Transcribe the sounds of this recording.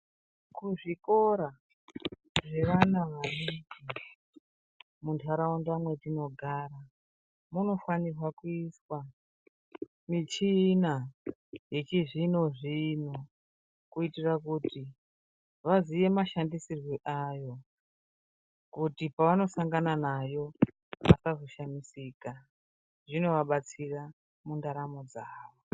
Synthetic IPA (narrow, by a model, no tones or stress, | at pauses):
kuʐiko̞ɾa | ʐe̞ʋanaʋariɡi | muntʰaɾawondamwe̞tino̞ɡʱaːra | muno̞fanirwakuiswa | mit͡ʃina | je̞t͡ʃeʐino̞ʐino | kuitirakuti | ʋaziʋe̞maʃandisirwiʔajo̞ | kutipaʋano̞saŋɡananajo̞ | ʋa̰sazoʃamisiːka | ʐino̞ʋaɓat͡sira | mundaɾamod͡zaːʋo